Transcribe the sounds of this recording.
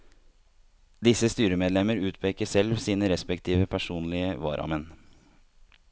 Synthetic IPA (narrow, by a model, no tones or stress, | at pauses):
d̪ɪsəst̪yːɾəmeːd̪lɛməɾʉːt̪pʰeːkəsɛlʋsiːnəɾɛspɛkt̪ʰiːʋəpʰæʂuːnlɪəʋɑ̰ːɾʔɑ̰mɛn